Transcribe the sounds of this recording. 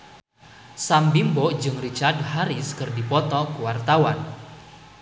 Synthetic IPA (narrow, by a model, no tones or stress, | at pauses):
sambimbɔd͡ʒɨŋrit͡ʃardhaɾiskɨrdipɔt̪ɔkuwart̪awan